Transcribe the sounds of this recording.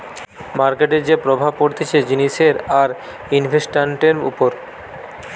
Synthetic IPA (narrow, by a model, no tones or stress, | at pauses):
maɾkeʈeɾd͡ʑepɾobʱab̚koɾt̪ʰet͡ɕʰed͡ʑiniʃeɾaɾ | inbʱesʈaɳʈeɾmṵpoɾ